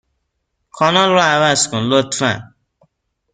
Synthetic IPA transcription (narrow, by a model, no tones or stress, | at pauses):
kʰɔnɔ̃ɾɔawaskũlotɾã̰